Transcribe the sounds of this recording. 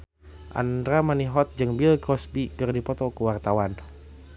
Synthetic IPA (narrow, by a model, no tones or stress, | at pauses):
ʔa̰ndɾamaniɦɔt̪̚d͡ʒɨŋbilkɔsbikərdipɔt̪ɔkəwart̪awan